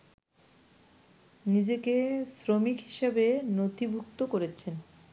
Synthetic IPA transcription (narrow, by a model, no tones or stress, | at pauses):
nid͡ʑekesɾomikɦi̥ʃabenot̪ibʱuk̚t̪okoɾet͡ɕʰen